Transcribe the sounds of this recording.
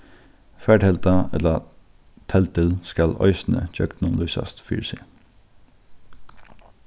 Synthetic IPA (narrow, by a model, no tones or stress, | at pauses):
fæːɖhɛlt̪ɑɛ̰lə | t̪ʰɛlt̪əlskɑlœ̰ʏsn̩ə̰c͡çœkt̪nʊnlʉːsɑ̰st̪fy̰ːɹsɪ